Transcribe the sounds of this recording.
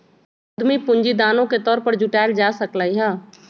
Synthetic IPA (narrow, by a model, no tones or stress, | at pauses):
d̪mipʊ̃ɲd͡ʒid̪aːnõket̪ɔːɾpəɾd͡ʒʊʈaːɪld͡ʒaːsəklaiɦɛː